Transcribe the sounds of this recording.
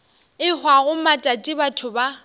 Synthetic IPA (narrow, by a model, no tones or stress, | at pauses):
ɪhwaɣʊmatʼatʼɪbatʰʊba